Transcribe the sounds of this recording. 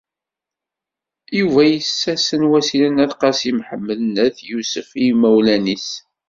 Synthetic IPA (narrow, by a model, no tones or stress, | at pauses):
juvæjəsːæsənwæsilənæθqɑsimħəmːələnəθjusəfimæwlænis